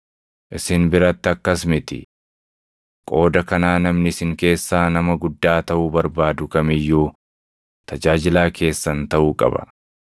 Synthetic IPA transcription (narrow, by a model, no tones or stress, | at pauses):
ʔɪsɪnbɪɾɐt̪ːɪɐkːɐsmɪt̪ɪ̰ | kʼo̞ːd̪ɐkɐnaːnɐmnɪsɪŋke̞ːsːaːnɐmɐɡʊd̪ːaːt̪ɐʔuːbɐɾbaːd̪ʊkɐmɪjːuː | t̪ɐd͡ʒaːd͡ʒɪlaːkʰe̞ːsːɐnt̪ɐʔuːkʼɐ̰bɐ̰